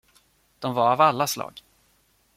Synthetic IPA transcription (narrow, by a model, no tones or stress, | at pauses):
d̪̥ɔmvaɾavalːaslɑ̰ːɡ